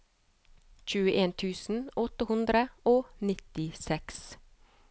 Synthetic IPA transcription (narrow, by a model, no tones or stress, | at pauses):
c͡çʉːəʔeːnt̪ʰʉːsn̩ɔt̪əhʉnd̪ɾəoːnɪt̪ɪsɛks